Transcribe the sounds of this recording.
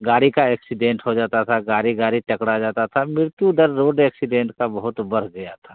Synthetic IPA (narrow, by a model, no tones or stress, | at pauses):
ɡaːɽikaɛːksɪɖẽːɳʈɦod͡ʒaːt̪at̪ʰaɡaːɾiɡaːɾiʈɐkɽad͡ʒaːt̪at̪ʰamɪɾt̪ũd̪əɾːoːɖɛːksɪɖẽːɳʈkabɐɦʊt̪bɐɾ̤ɡɐjat̪ʰa